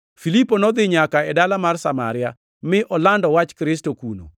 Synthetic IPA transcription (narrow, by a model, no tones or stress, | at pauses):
filipːonɔd̪ɪɲakaɛdalamarsama̰ɾɪja | mɪʔɔlandɔwat͡ʃkɾɪstokuno̰